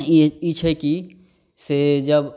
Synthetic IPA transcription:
iit͡ʃʰɛki | sed͡ʒəb

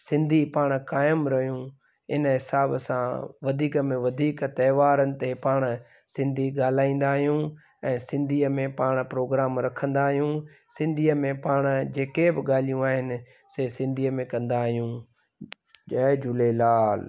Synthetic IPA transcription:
sɪ̃nd̪ʱipaːɽ̃kaːɪmɾɐɦijũ | ɪnəɦɪsaːbsãʋɐd̪ʱiːkəmẽʋɐd̪ʱiːkt̪ɐːʋaːɾənɪ̆t̪epaːɽ̃ | sɪ̃nd̪ʱiɠaːl̤aːĩːn̆d̪aːɦijũ | ɛ̃ːsɪ̃nd̪ʱiːəmẽpaːɽ̃pɾoːɡɾaːmɾɐkʰə̃nd̪aːɦijũ | sɪ̃nd̪ʱiːəmẽpaːɽ̃d͡ʑeːkebɪɠaːlijũaːɦɪnɪ̆ | seːsɪ̃nd̪ʱiːəmẽkɐ̃nd̪aɦijũ | ɐd͡ʑʱʊlelaːl

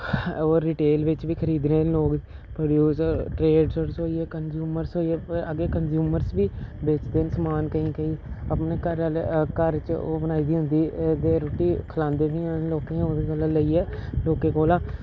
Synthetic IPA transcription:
oːiːʈeːlʋɪt͡ʃʋiːkʰəɾiːd̪neːloːɡ | pɾoːɖjuːsəɾʈɾeːɖsəɾsɦoːiːɛːkənd͡ʒuːməɾsɦoːiɛːəɡeːkənd͡ʒjuːməɾsʋiːbeːt͡ʃd̪eːnsəmaːnkəĩːkəiːəpneːkəɾkəɾt͡ʃoːbənaːiːd̪iːɦʊ̃nd̪iːd̪eːɾoːʈiːkʰəlãːnd̪eːbiːãːnloːkẽoːʋiːkəlãːləiːɛːloːkẽːkoːlãː

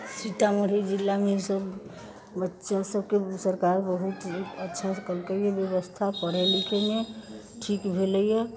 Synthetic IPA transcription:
siʈ̪aməɽ̤id͡ʒilːameisəb | bətːʃasəb̚kesəɾkaɾbəɦut̪ətːʃʰakəlkeijebjəʋəst̪ʰapəɽ̤elikʰene | ʈʰikbʱeləijɛ

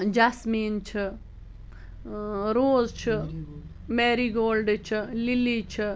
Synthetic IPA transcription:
d͡ʒasmiːnt͡ʃʰi | ɾoːzt͡ʃʰi | meːɾiɡoːlɖt͡ʃʰililit͡ʃʰi

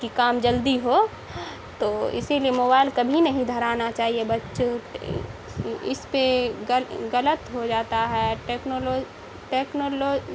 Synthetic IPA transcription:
kikaːmd͡ʒɐld̪iɦo | t̪oːɪ̰siliemoːbaːɪlkɐbʱinɐɦĩd̪ʱɐɾaːnat͡ʃaːɦiebɐtːʃ | ɪ̰spe | ɣɐlət̪ɦod͡ʒaːt̪aɦɛʈeːknolo | ʈeːknoːloː

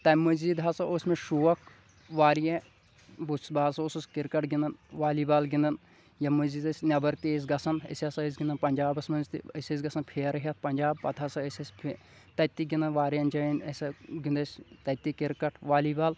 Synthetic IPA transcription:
t̪ɐmɐzʲid̪ɦɐsɐʔosʲmeʃuʋɐk | ʋaːɾijẽ | busbaːsosɐskiɾkɐʈɡind̪ɐnʋaːliːbaːlɡind̪ɐn | jɐmɐzid̪ɐsʲnʲɐbɐɾt̪eːs̬ʲɡɐsʰɐnə̰sʲɐsɐəs̬ɡʲind̪ɐnpɐnd͡ʒaːbɐsmɐnzt̪ḭəsʲɐs̬ɡɐsɐnpʰeːɾɐɦʲɐt̪̚ʰpɐnʲd͡ʒaːb̚pɐt̪ʰɐsɐəsʲɐsʲpʰ | t̪ɐt̪ːiɡʲind̪ɐnʋaːɾjɐnd͡ʒɐjɐnɐsʲɐɡund̪ɐsʲt̪ɐt̪ːikiɾkɐʈʰʋaːlibaːl

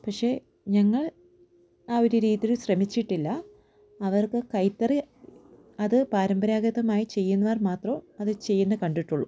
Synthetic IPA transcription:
pɐkʂe̞ː | ɲɐŋːɐɭ | aːoɾuɾiːðilɕrɐmit͡ɕːiʈːilːɐ | ɐʋɐrkɨkɐjt̪ːɐri | ɐðɨpaːɾɐmbɐɾaːɡɐðɐmaːjit͡ɕe̞jːunːɐʋɐrmaːt̪rɐɐðɨt͡ɕe̞jːunːɨkɐɳɖiʈːuɭːu

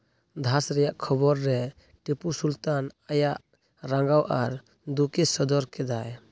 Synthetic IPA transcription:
d̪ʱasɾɛjaʔkʰɔbɔɾːɛ | ʈipusult̪anajaʔ | ɾaŋɡawʔaɾ | d̪ukɛsɔd̪ɔɾkɛd̪aj

